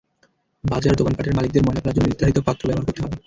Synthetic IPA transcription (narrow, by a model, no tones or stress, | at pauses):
bad͡ʑaɾd̪okanpaʈeɾmalik̚d̪eɾmɔeplad͡ʑonnid̪ʱːaɦit̪opat̪ːɾobɛbaɾkoɾt̪eɦɔbe